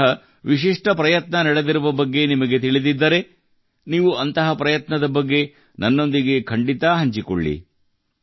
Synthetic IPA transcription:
ɐ | ʋiʃiʂʈɐpɾɐjɐt̪nɐnɐɽed̪iɾuʋɐbɐɡːe̞nimɐɡe̞t̪iɭid̪id̪ːɐɾe̞ | niːʋuɐnt̪ɐɦɐpɾɐjɐt̪nɐd̪ɐbɐɡːe̞ | nɐnːo̞nd̪iɡe̞kʰɐɳɖit̪ɐɦɐɲt͡ʃiko̰ɭːḭ

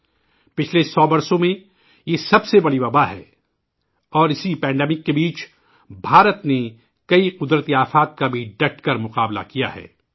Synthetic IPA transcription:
pɪt͡ʃʰlesɔːbɐɾsõmẽ | jesɐbsebɐɽiʋɐbaɦɛ̰ː | ɔːɾɪsipɛ̃ːɳɖɛːmɪkːebiːt͡ʃ | bʱaːɾət̪ne | kɐiqʊd̪ɾət̪iaːfaːt̪̚kabʱiɖɐʈ̚ʰkɐɾmʊqaːbla̰kija̰ɦɛ̰ː

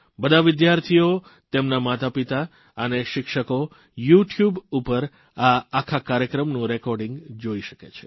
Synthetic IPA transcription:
bəd̪ʱaʋɪd̪jaɾt̪ʰijo | t̪emnamat̪apit̪a | əneʃɪkʃəko | juʈʰjubupəɾ | aːkʰakaɾjəkɾəmnũɾɛkɔɾɖĩŋɡd͡ʒoiʃə̥ket͡ʃʰe̥

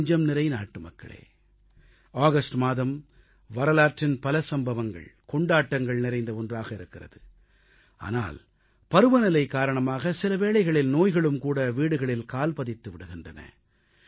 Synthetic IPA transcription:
ɲd͡ʒɐmnɪɾɐɪnaːʈːɯmɐkːɐ̰ɭḛː | aːɣɐsʈmaːðɐm | ʋɐɾɐlaːʈrɪnpɐlɐsɐmbɐʋɐŋɡɐ̰ɭkɔɳɖaːʈːɐŋɡɐɭnɪɾɐɪnd̪ɐɔndraːɣɐɪɾɯkːɪrɐ̰ðɯ | ʔa̰ːna̰ːl | pɐɾɯʋɐnɪlɐɪkːaːɾɐɳɐmaːɣɐsɪlɐʋeːɭɐɪɣɐɭɪlnoːjɣɐɭɯmkuːɽɐʋiːɽɯɣɐɭɪlkaːlpɐðɪt̪ːɯʋɪɽɯɣɪndrɐnɐ̰

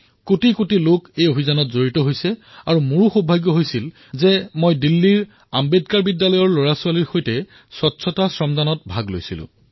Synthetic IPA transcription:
kotikotilokejobʱizanɔtzoɹitɔɦojsɛaɹumuɹuxobʱaɡjɔɦojsil | zɛmojdilːiɹ | ambedkaɹbidːalɔjɔɹloɹasualiɹxojtɛ | swɔtːsʰɔtasɹɔmdʱanɔt̚bʱaɡlo̰jsilʊ̰̃

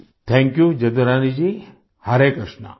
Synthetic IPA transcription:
t̪ʰɛ̃ŋkjud͡ʒɐd̪ɐɾaːnid͡ʑi | haɾekɾəʂna̰

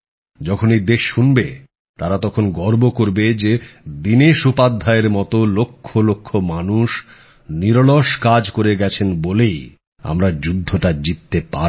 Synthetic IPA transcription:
d͡ʑɔkʰoned̪eʃʃunbe | t̪aɾat̪ɔkʰonɡɔɾbokoɾbed͡ʑed̪ineʃupad̪ʱːaeɾmɔt̪olokʰːolokʰːomanuʃ | niɾoloʃkad͡ʑkoɾeɡɛt͡ɕʰenbolej | a̰mɾad͡ʑud̪ʱːoʈad͡ʑit̪ːepa

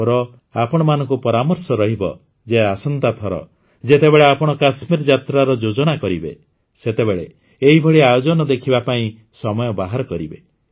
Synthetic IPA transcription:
ɔɾɔ | apɔɽ̃ɔmanɔ̃ŋkupɔɾamɔɾsɔɾɔɦibɔ̰ | d͡ʒeasɔnt̪at̪ʰɔɾɔ̰ | d͡ʒet̪ebeɭeapɔɽ̃ɔkasmiɾɔd͡ʒat̪ɾaɾɔd͡ʒod͡ʒɔɽ̃akɔɾibe | set̪ebeɭe | eɦibʱɔɭiajod͡ʒɔnɔd̪ekʰibapaĩ | sɔmɔjɔbaɦaɾɔkɔɾibe

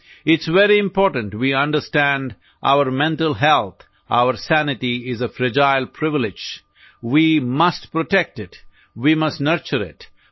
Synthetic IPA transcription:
ɪtsʋɛɾiɪ̃mpɔɾʈə̃nʈwiʌ̃nɖəɾstæ̃nd | ʔa̰ʊəɾmɛ̃ntəlˠɦɛlˠt̪ | ʔa̰ʊəɾsænɪʈiɪzəfɾɪd͡ʒaɪlˠpʰɾɪʋɪlɪd͡ʒ | wimʌsʈpɾoʈɛk̚ʈɪt | wimʌstnəɾt͡ʃəɾɪ̰t

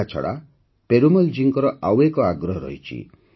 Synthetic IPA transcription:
at͡ʃʰɔ̰ɽa̰ | peɾumɔld͡ʒiŋkɔɾɔʔawekɔaɡɾɔɦɔɾɔ̰ɦit͡ʃʰḭ

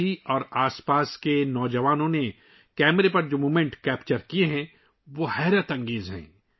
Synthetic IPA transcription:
iɔːɾaːspaːskenɔːd͡ʒɐʋaːnõne | kɛːmɾepɐɾd͡ʒoːmuːmẽɳʈkɛːpt͡ʃəɾkieɦɛ̃ː | ʋoːhɛːɾət̪ɐ̃ŋɡeːzɦɛ̰̃ː

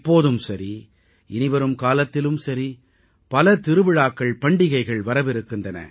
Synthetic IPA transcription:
pːoːðɯmsɐɾi | ɪnɪʋɐɾɯmkaːlɐt̪ːɪlɯmsɐɾi | pɐlɐt̪ɪɾɯʋɪɻaːkːɐɭpɐɳɖɪɣɐɪɣɐɭʋɐɾɐʋɪɾɯkːɪndrɐnɐ̰

